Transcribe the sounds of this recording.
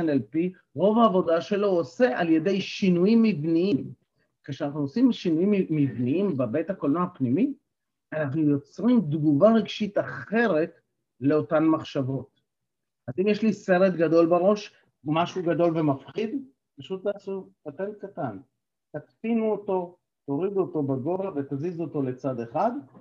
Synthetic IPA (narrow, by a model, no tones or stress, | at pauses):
nelpi | ʁo̞vaːvo̞daʃe̞lo̞ose̞ʔalje̞de̞jʃinujimːivniim | keʃeanaχnuosimʃinujimːivniimbebejthakolnaapnimi | anaχnujo̞t͡sʁimd̪ɡuvaʁiɡʃitaχe̞ʁe̞t | le̞o̞tanmaχʃavo̞t | ʔazimjeʃlise̞ʁet̪ɡado̞lbaʁo̞ʃ | maʃuɡado̞lve̞mafχid̪ | paʃutːaːsutatelkatan | t̪atfinuoto̞ | t̪o̞ʁid̪uoto̞beɡo̞vave̞t̪azizuoto̞le̞t͡sade̞χad̪